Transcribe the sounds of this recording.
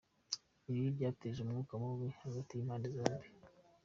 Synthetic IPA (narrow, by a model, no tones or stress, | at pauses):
iβibɟaːteʒumŋuːkamuwehaɡatijimaːnizaːmbi